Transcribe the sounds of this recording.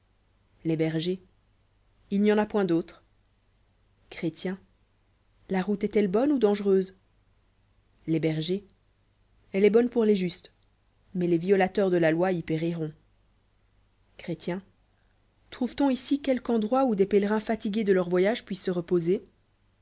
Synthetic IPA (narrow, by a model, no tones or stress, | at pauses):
lebɛʁʒe | ilnjɑ̃napwɛ̃d̪ot̪χ | kχet̪jɛ̃ | laʁut̪ɛt̪ɛlbɔnud̪ɑ̃ʒʁøːz | lebɛʁʒe | ɛlɛbɔnpuʁleʒyst̪ | mɛleviɔlat̪œʁd̪əlalwaipeʁiʁɔ̃ | kχet̪jɛ̃ | t̪χuvt̪ɔ̃isikʲɛlkɑ̃d̪ʁwaud̪epelʁɛ̃fat̪iɡʲed̪əlœʁvwajaʒpɥisːəʁəpoze